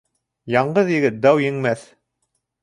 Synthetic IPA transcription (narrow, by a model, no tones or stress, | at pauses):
jɑɴɢɤðjɘ̆ɡɘt̪̚d̪ɑwjɘ̆ŋmæθ